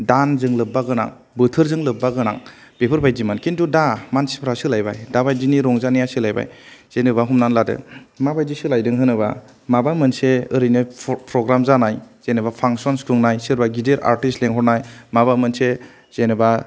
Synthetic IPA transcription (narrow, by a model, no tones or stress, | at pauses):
danzɯŋlɯbːaɡɯna̰ŋ | bɯtʰɯɾzɯŋlɯbːaɡɯna̰ŋ | bepʰɯɾbajzimankintudamansi̥pʰɾasɯlajbajdabajd͡ʒiniɾɔŋzanijasɯlajba̰jz̥enɯbaɦumnanladɯ̰mabajzisɯlajdɯŋɦɯnɯba̰ | mabamɯnseɯɾɯjnɯpʰɾɔɡɾamzanajz̥enɯbapʰaŋsɔnskʰuŋnajsɯɾbaɡideɾa̰ɾtistleŋɦɔɾnajmabamɯnse | z̥enɯba